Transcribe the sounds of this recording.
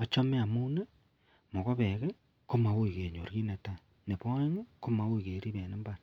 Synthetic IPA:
o˨t͡ʃo˦me˦a˨mu˦ne˦ | mo˨ɣo˦βe˨ɣe˦ | ko˦ma˨wo˦i˨ɣe˨ɲo̰˨ɾɣi˦ne˨ta˦ | ne˨βo˦ŋe˦ko˦ma˨wo˦iɣe˨ɾi˦βe˨ne˦mbaɾḁ

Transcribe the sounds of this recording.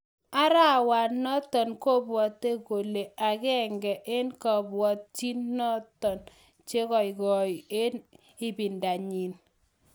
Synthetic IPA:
a˦ɾa˦wa˨nːɔ˦tɔ˨nkɔ˦bwɔ˨t̪ːe˦ko˨le˨a˨kɛ˦ŋɡɛ˨ʔe˦nkɔ˨bwɔ˨t̪̚t͡ʃi˦nːɔ˦tɔ˨n | t͡ʃe˦kɔ˨i˨kɔ˨i˨e˦n | ɪ˦bi˨nda˨ɲi˨n

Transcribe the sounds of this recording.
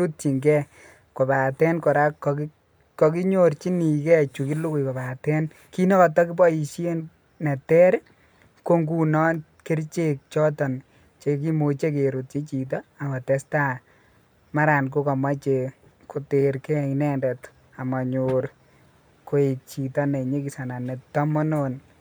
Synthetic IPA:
u˦t̚t͡ʃi˨ŋɡɛ˦ | ko˨ba˨tɛ˦nkɔ˨ɾa˦kk | kɔ˨ki˦ɲoɾt͡ʃi˦ni˨kɛ˦t͡ʃu˨ki˦lu˦ku˨jko˨ba˨tɛ˦n | ki˦nɔ˦kɔ˨tɔ˦ki˦bɔ˦i˨ʃje˦n | nɛ˨tɛ˦ɾ | ko˦ŋɡu˦nɔ˦ | ke˦ɾt͡ʃe˦k̚t͡ʃɔ˦tɔ˨n | t͡ʃe˨k̬i˦mo˨t͡ʃe˦ke˨ɾu˨t̚t͡ʃe˦t͡ʃi˨t̬ɔ˦a˨ma˨tɛ˦sta˦ | ma˦ɾa˨nk̬o˦kɔ˨ma˦t͡ʃe˨ | ko˨teɾkɛ˦nɛ˦ndɛ˨t | a˨ma˨ɲoɾ | ko˨˦i˨t̚t͡ʃi˨tɔ˦ne˨ɲe˦ki˨sa˨na˨ne˨tːɔ˦mɔ˦non

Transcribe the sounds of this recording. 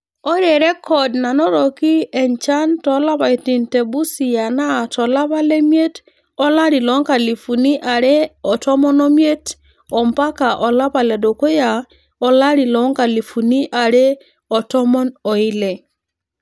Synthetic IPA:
ɔ˦ɾe˨ɾɛ˦kɔ˨dna˨nɔ˦ɾɔ˨ki˦ɛ˨ɲt͡ʃa˦ntɔ˨˦la˦ba˨i˨ti˨ntɛ˨bu˦si˨ja˨na˦˨tɔ˨la˦βa˦lɛ˦mje˦t | ɔ˦la˦ɾi˨lɔ˨˦ŋka˨li˨fu˨ni˦ʔa˨ɾɛ˦ɔ˨tɔ˦mɔ˦nɔ˦mje˦t | ɔ˨mpa˦ka˨ʔɔ˨la˦pa˨lɛ˨do˨ko˦ja˨ | ɔ˨la˦ɾi˨lɔ˨˦ŋka˨li˨fu˨ni˦ʔa˨ɾɛ˦ | ɔ˨tɔ˦mɔ˦nɔ˨ɪ˦lɛ˨

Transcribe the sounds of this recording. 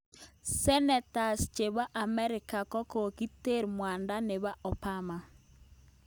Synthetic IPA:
sɛ˦nɛ˨ta˨st͡ʃe˨βa˦ʔa˨mɛ˦ɾɪ˨ka˨kɔ˦ko˨ki˦te˦˨ɾmwa˨nda˦ne˨βa˦ɔ˨pa˦ma˨

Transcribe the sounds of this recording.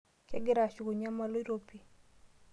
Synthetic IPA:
kɛ̰˦ɡɪ˦ɾa˨t͡ʃu˨ɡo˨ɲa˦ma˦lo˦ɾo˦pi˨

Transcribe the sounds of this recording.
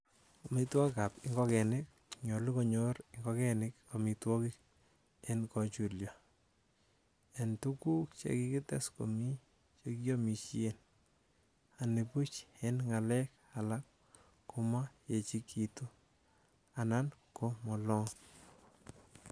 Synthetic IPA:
o˨mitwa˦ka˨pɪŋɡɔ˦kɛ˨nɪ˦k̚ɲo˨liko˦ɲo˦ɾɪŋɡɔ˦kɛ˦nɪ˦ko˨mi˨twɔ˦kɪ˦k | enkɔt͡ʃu˨ljɔ˨ | entu˦ku˦k̚t͡ʃḛ˦ki˦kɪ˦tɛ˦sko̰˨mi˦ | t͡ʃeki˦jomi˨t͡ʃi˦en | a˨ne˨pu˦t͡ʃenŋa˨lɛ˦k̚ | a˨la˦kː | u˦ma˦je˨t͡ʃi˦ki˨tu˦ | a˨na˦nko˦mɔ˨lɔ˦ŋ

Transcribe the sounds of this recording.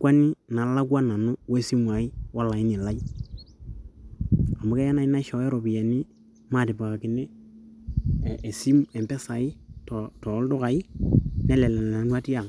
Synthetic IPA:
kwa˦ni˦na˨la˦kwa˦na˨nʊ˦wo˦e˦si˦mwa˨ɪ˦wa˦la˨ɪ˦nɪ˨la˦i˦ | a˨mʊ˦kɛ˦ja˦na˨ɪ˦na˦ʃɔ˨ɛ˦ɾo˨bɪ˨jɛ˨nɪ˦ | ma˨tɪ˨ba˨ka˨kɪ˨ne˦˨ | e˨si˦mɛ˨mpɛ˦sa˨ɪ˦tɔ˨tɔ˨˦ldʊ˦ka˨ɪ˦nɛ˦lɛ˨lɛ˨a˨nwa˦ti˦a˨ŋ

